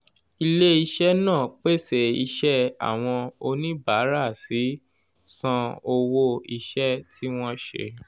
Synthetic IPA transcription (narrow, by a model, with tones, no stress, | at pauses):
i˧le˦i˧ʃɛ˦nãː˦˨k͡pe˦˨se˨i˧ʃɛ˦a̰˨w̃ɔ̃˧o˧nĩ˦ba˨˦ɾa˦˨si˨˦ | sɔ̃˧o˧wo˧i˧ʃɛ˦tʰi˦w̃ɔ̃˦ʃḛ˧˨